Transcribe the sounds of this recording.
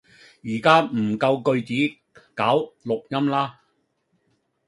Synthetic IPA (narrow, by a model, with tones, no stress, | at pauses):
jiː˨˩kaː˥m̩˨˩kɐ˧wkɵ˧ɥt͡siː˨˥ | kaː˨˥wlʊ˨k̚jɐ˥mlaː˥